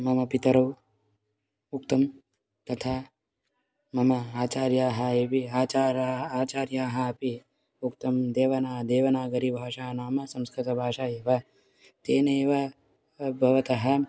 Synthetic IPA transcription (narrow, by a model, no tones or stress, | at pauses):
mɐmɐpit̪ɐɾɐw | uk̚t̪ɐm | t̪ɐt̪ʰaː | mɐmɐaːt͡ʃaːɾjaːɦɐeːpiaːt͡ʃaːɾaaːt͡ʃaːɾjaːɦɐ̆ɐpi | ukt̪ɐmd̪eːʋɐnaːd̪eːʋɐnaːɡɐɾibʱaːʂaːnaːmɐsɐ̃mskɾɪt̪ɐbʱaːʂaːeːʋɐ | t̪eːneːʋɐ | bʱɐʋɐt̪ɐɦɐ̆